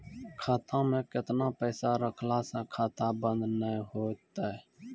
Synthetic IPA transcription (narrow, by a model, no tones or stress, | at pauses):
kʰaːt̪ãːmẽːkɪt̪naːpəːsaːɾəkʰlaːsɛ̃ːkʰaːt̪aːbə̃nd̪nəĩɦoːt̪aːɛ